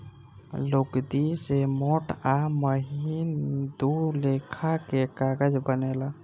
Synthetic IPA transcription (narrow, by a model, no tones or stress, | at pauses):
loɡd̪isemoʈaməɦind̪ulekʰakekaɡəd͡ʒbənela